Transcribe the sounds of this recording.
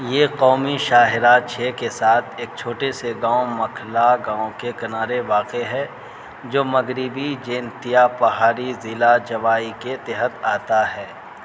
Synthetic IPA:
jeːqɔːmiʃaːɦɪɾat͡ʃʰeːkesaːt̪ʰeːk̚t͡ʃʰoːʈeseɡãːõmɐkʰlaɡãːõkekɐnaːɾeʋaːqeɦɛ | d͡ʒoːmɐɡɾibid͡ʒẽːnt̪ijapɐɦaːɾizɪlad͡ʒɐʋaːiket̪ɛɦət̪aːt̪aɦɛː

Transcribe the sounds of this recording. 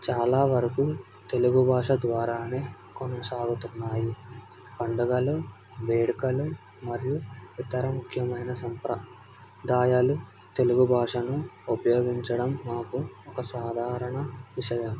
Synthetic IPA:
t͡ʃaːlaːʋɐɾɐku | t̪e̞luɡubʱaːʂɐd̪ʋaːɾaːneː | kɔnɐsaːɡut̪unːaːji | pɐɳɖɐɡɐlu | ʋe̞ːɽikɐlu | mɐɾijuʋit̪ɐɾɐmukʰjɐmɐjnɐsɐmpɾɐ | d̪aːjaːlu | t̪e̞luɡubʱaːʂɐnuupɐjo̞ːɡiɲt͡ʃɐɽɐmːaːkuɔkɐsaːd̪ʱaːɾɐɳɐʋiʂɐjɐm

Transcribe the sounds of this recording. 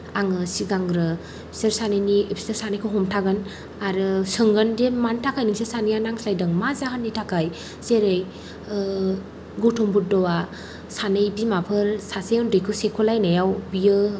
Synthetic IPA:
aŋɯsiɡaŋɾɯ | pʰi̥steɾsanɯjniepʰi̥sɯɾsanɯjkʰɯɦɔmtʰaɡɯn | aɾɯsɯŋɡɯndemantʰakʰajniŋsesanijanaŋslajdɯŋmazaɦanːitʰakaj | zeɾej | ɡɔwtʰɔmbut̚dɔwa | sanɯjbimapʰɯɾsasejɯndɯjkʰɯsekʰulajnajawbijɯ

